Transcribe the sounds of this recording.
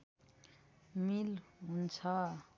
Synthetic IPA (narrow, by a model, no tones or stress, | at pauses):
milɦunt͡sʰʌ